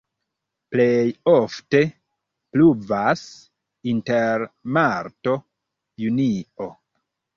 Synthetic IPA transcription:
plejofte̞ | pluvas | inteɾmaɾto̞ | junio

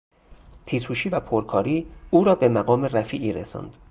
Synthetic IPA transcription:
t̪ʰiːshuːʃiːvæpʰoɾkʰɒːɾiːuːɾɒːbe̞mæɣɒːmeræfiːʔiːɾḛsɒ̰ːnd̪̥

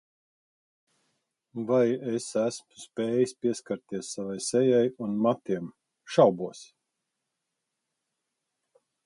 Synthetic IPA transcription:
vajesæsmu̥spʲeːjisʲpʲiɛskaɾt̪iɛsːavajsɛjajunmat̪iɛm | ʃawbuɔs

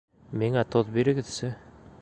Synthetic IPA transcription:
miŋæt̪oðbiɾɘ̆ɡɘ̆ðsɘ

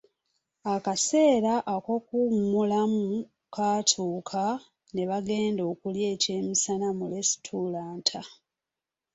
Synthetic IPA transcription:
akase̞ːɾaʔːko̞kumulamu | kaːtʰuːkʰa | ne̞βaɡe̞ːndo̞ːkulje̞ːce̞ːmisanamule̞stʰulaːntʰa

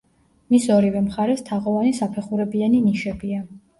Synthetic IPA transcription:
misɔɾivɛmχaɾɛst̪ʰaʁɔvanisapʰɛχuɾɛbianiniʃɛbia

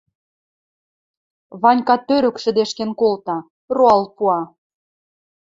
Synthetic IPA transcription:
βɑnʲkɑt̪ːøɾə̆kʃɘ̆d̪eʃkenkolt̪ɑ | roɑlpuɑ

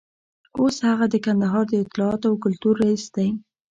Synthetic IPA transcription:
oshaɣad̪əkand̪aɦɑɾd̪əɪt̪ɪlɑɑt̪oawkʊlt̪uɾːaisd̪̥aj

